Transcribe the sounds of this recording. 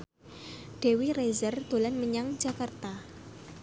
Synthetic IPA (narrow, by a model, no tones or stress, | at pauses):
ɖ̥e̤wirezərd̪̥o̤lanməɲaŋd͡ʒakart̪a